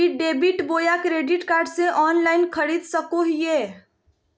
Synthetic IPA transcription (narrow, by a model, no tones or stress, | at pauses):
iɖeːbiʈboːjakɾeːɖiʈkaːɾɖseʔɔːnlaːɪnkʰəɽid̪səkoɦijeː